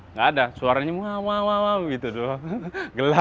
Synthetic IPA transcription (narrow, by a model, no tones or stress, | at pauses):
ŋɡaːdasuaɾaɲamuɦamawawabəɡit̪uduɡəla